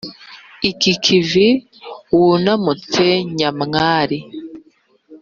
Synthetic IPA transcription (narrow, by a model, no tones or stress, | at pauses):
ikikʰivi | wunamuteɲamŋaːɾi